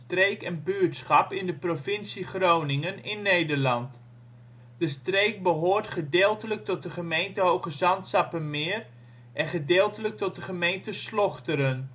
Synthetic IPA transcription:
trejkɛnbyəɹtsχɑpɪndəprofɪnsiχrownɪŋənɪnːejdəɹlɑnt | d̥əstrejk̚bəɦoːrtχədɪːlˠtələk̚tɔt̚dəχəmejntəɦowχəzɑntsɑpənmɪər | ʔɛχədɪːlˠtələk̚tɔt̚dəχəmejntəslɔχtəɾən

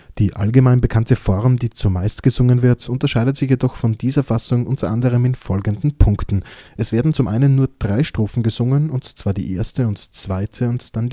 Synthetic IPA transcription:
d̥iːʔa̰lɡəmaɪnbəkʰantəfɔʁmdiːt͡sumaɪstɡ̥əzʊŋənvɪɐtʰʊntɐʃaɪdətz̥ɪçjedɔχfɔndiːzɐfasʊŋʔʊ̰ntʰɐʔandəʁ̞əmɪnfɔlɡn̩dn̩pʰʊŋktn̩ʔɛsv̥eːɐdn̩t͡sʊmʔa̰ɪnənːuːɐd̥ʁaɪʃtʁ̥uːfn̩ɡəzʊŋənʊntt͡sv̥aːɐdḭːʔḛɐstəʊntt͡sv̥aɪtʰəʊntd̥and

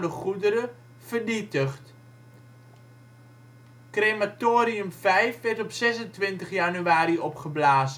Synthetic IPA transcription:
dəχudəɾə | fərnitəχt | krematoːɾiʉmfɛjfʋɛrtɔpsɛsəntʋɪntəχjanyaːɾiɔpχəblaːzə

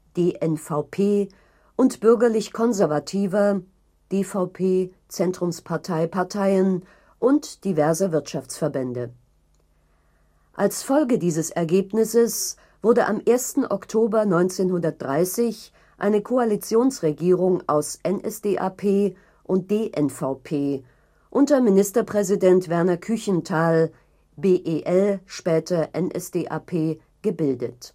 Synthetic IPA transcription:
d̥eːʔɛnfaʊpʰeː | ʔʊntb̥ʏɐɡɐlɪçkʰɔnzɛɐvatʰiːvɐ | d̥eːfaʊpʰeː | t͡sɛntʁ̥ʊmspʰaɐtʰaɪpaɐtʰaɪən | ʔʊntd̥ivɛɐzəvɪɐtʃaft͡sfɛɐbɛndə | ʔalsfɔlɡədiːzəsɛɐɡeːpnɪsəs | v̥ʊɐdəʔamʔeːɐstn̩ʔɔktʰoːbɐnɔʏnt͡seːnhʊndɐt̚d̥ʁaɪsɪç | ʔa̰ɪnəkʰoalit͡sjoːnsʁeɡiːʁʊŋa̰ʊsʔɛnʔɛsd̥eːʔaːpʰeː | ʔʊnt̚d̥eːʔɛnfaʊpʰeː | ʔʊntɐmɪnɪstɐpʁ̥ɛzidɛntv̥ɛɐnɐkʰʏçn̩tʰaːl | beːʔeːʔɛlʃpɛːtʰɐʔɛnʔɛ̰sd̥eːʔa̰ːpʰeː | ɡ̥əbɪldət

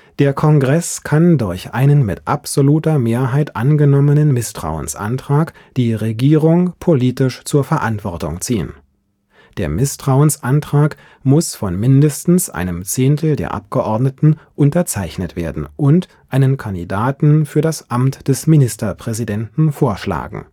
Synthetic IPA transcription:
d̥eːɐkʰɔnɡʁɛskʰandʊɐçʔa̰ɪnənmɪtʔa̰pz̥oluːtɐmeːɐɦaɪtʔanɡənɔmənənmɪstʁ̥a̰ʊə̰nsʔa̰ntʁ̥aːk | d̥iːʁeɡiːʁʊŋpʰoliːtɪʃt͡suːɐfɛɐʔantv̥ɔɐtʊ̰ŋt͡siːə̰n | d̥eːɐmɪstʁ̥aʊənsʔantʁ̥aːk | mʊsfɔnmɪndəstn̩sʔa̰ɪnəmt͡seːntl̩dḛːɐʔa̰pɡ̥əʔɔɐdnətn̩ʔʊntɐt͡saɪçnətv̥ḛːɐdn̩ʔʊnt | ʔaɪnənkʰandḭdaːtn̩fyːɐdasʔamtd̥ɛsminɪstɐpʁ̥ɛzidɛntn̩foːɐʃla̰ːɡŋ̩

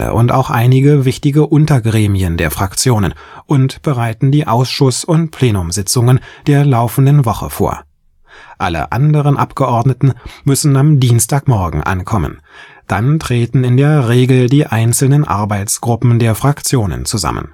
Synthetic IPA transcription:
ə̰ʔʊ̰nta̰ʊxʔaɪnɪɡəvɪçtɪɡəʔʊntɐɡʁeːmiəndeːɐfʁ̥akt͡sjoːnə̰nʔʊntb̥əʁaɪtn̩diːʔaʊsʃʊsʊntpʰl̥eːnʊmzɪt͡sʊŋənd̥eːɐlaʊfn̩dənvɔχə̰fo̰ːɐ | ʔalə̰ʔa̰ndəʁ̞ənʔapɡ̥əʔɔɐdnətn̩mʏsn̩amdiːnstaːkmɔɐɡŋ̩ʔa̰nkʰɔmə̰n | d̥antʁ̥eːtn̩ɪndeːɐʁeːɡl̩diːʔaɪnt͡sl̩nənʔa̰ɐbaɪt͡sɡ̥ʁʊpm̩deːɐfʁ̥akt͡sjoːnə̰nt͡suza̰mə̰n

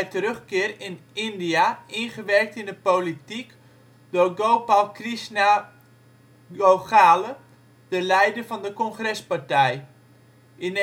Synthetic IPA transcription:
ɛjtərøχkɪərɪnɪndiainχəʋɛrk̚tɪndəpolitik | d̥oɡoːpalˠkrisna | ɡoχaːlə | d̥əlɛjdəfɔndəkɔnxrɛspartɛj | ʔɪn

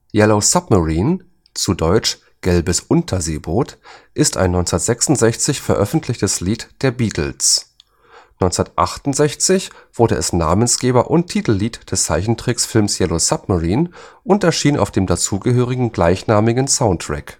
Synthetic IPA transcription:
jɛlosap̚maʁiːn | t͡sudɔʏt͡ʃ | ɡ̥ɛlbəsʔʊntʰɐzeːboːtʔɪsta̰ɪnɔʏnt͡snɐtz̥ɛksʊntz̥ɛçt͡sɪçfɛɐʔœfn̩tʰlɪçtəsliːtd̥eːɐbiːtʰl̩s | nɔʏnt͡snɐtʔa̰χtʊntz̥ɛçt͡sɪçv̥ʊɐɾəʔɛsna̰ːmənsɡ̥eːbɐʔʊnttʰiːtl̩liːtd̥ɛst͡sa̰ɪçn̩tʁ̥ɪksfɪlmsjɛlosap̚maʁiːnʔʊntɛɐʃiːna̰ʊfd̥eːmdat͡suːɡəɦøːʁɪɡŋ̩ɡlaɪçnaːmɪɡənsaʊntːʁ̥ɛ̰k

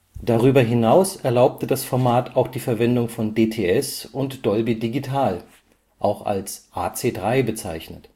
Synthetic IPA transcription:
d̥aʁyːbɐɦɪnaʊsɛɐlaʊp̚tədasfɔɐmaːtʰaʊxd̥iːfɛɐvɛndʊŋfɔndeːtʰeːɛsʊntd̥ɔlbidiɡitʰaːl | ʔa̰ʊxa̰lsʔaːt͡seːdʁaɪbət͡saɪçnə̰t

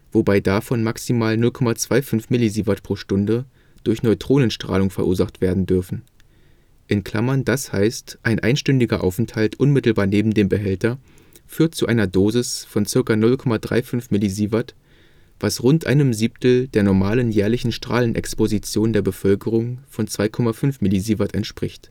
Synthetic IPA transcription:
v̥obaɪdafɔnmaksimaːlnʊlkʰɔmat͡sv̥aɪfʏnfmɪliziːvatpʁ̥oːʃtʊndə | d̥ʊɐçnɔʏtʁ̥oːnənʃtʁ̥a̰ːlʊŋfɛɐʔuːɐzaχtv̥eːɐdn̩dʏɐfn̩ | ʔɪnkʰl̥a̰mɐndasha̰ɪstʔaɪnʔa̰ɪnʃtʏndɪɡɐʔa̰ʊfɛnthaltʔʊnmɪtl̩baːɐneːbm̩deːmbəɦɛltɐ | fyːɐt̚t͡suʔaɪnɐdoːzɪsfɔnt͡sɪɐkanʊlkʰɔmadʁa̰ɪfʏnfmɪliziːvat | v̥asʁʊntʔa̰ɪnəmziːp̚tl̩deːɐnɔɐmaːlənjɛːɐlɪçn̩ʃtʁ̥a̰ːlənʔɛ̰kspozit͡sjoːndeːɐbəfœlkəʁ̞ʊŋfɔnt͡sv̥aɪkʰɔmafʏnfmɪliziːvatɛntʃpʁ̥ɪçt

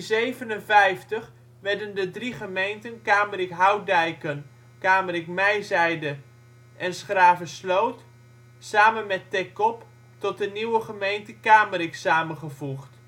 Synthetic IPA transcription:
zejvənənvɛjftəχ | ʋɛɹdəndədriχəmejntənkaːmərikɦawdɛjkən | kaːmərɪkmɛjzɛjdə | ʔɛnsχraːvəslowt | saːmənmɛtɛkɔp | tɔt̚dəniwəχəmejntəkaːməɾɪksaːmənχəvuχt

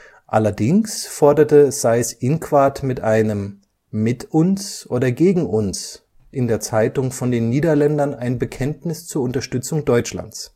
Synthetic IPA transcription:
ʔa̰lɐdɪŋsfɔɐdɐtəz̥aɪɛsʔɪnkv̥aɐtmɪtʔaɪnəmː | ɪtʔʊnsʔoːdɐɡeːɡŋ̩ʔʊns | ʔɪndeːɐt͡saɪtʊŋfɔndeːnːiːdɐlɛndɐnaɪnbəkʰɛntnɪst͡suːɐʊntɐʃtʏt͡sʊŋdɔʏt͡ʃla̰nt͡s

